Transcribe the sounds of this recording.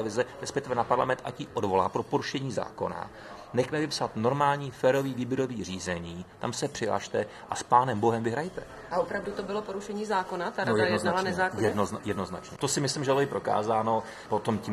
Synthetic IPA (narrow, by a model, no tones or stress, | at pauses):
ɛvɪzɛɾɛspɛk̚t̪ɪvɛnapaɾla̰mɛnt̪ʔaciːʔodvo̞la̰ːpɾo̞po̞ɾuʃɛɲiːza̰ːko̞̰na̰ | nɛxmɛvɪpsat̪no̞ɾmaːlɲiːfɛːɾo̞viːviːbjɪɾo̞viːr̝iːzɛɲiːt̪amsɛpr̥ɪɦla̰ʃt̪ɛ | ʔaspaːnɛmbo̞ɦɛmvɪɦɾajt̪ɛ | ʔaʔopɾavdut̪obɪlopoɾuʃɛɲiːzaːko̞nat̪aɾaajɛdnoznalanɛzaːkojɛdnoznajɛdno̞znat͡ʃɲɛt̪osɪmɪslimʒɛɪlojɪpɾo̞ka̰ːzaːno̞ | po̞t̪omcim